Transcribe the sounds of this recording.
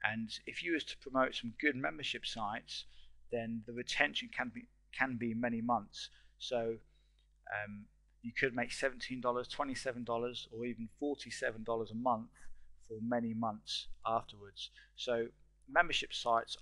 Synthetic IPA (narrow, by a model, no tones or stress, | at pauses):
ʔɨ̃nɪfjɨwəz̥tʰə̥pʰɹ̥əmoʊtsʌ̃mɡʊd̚mɛ̃mbəʃɪpsaɪtsðə̃nðəɹɨtʰɛ̃nʃɨ̃nkʰə̃nbi | kʰə̃nbimɛñimʌ̃nθsoʊ | ʔʌ̃m | jɨkʰɨd̚meɪksɛvn̩tʰĩndɔlˠəz̥tʰw̥ɛ̃ñtisɛvə̃n̩dɒlˠəzə˞ivn̩fɔˑtʰisɛṽn̩dɔlˠəzəmʌ̃nθfə˞mɛnimʌ̃nθsʔɑˑftəwə˞dz̥soʊ | mɛ̃mbəʃɪpsaɪts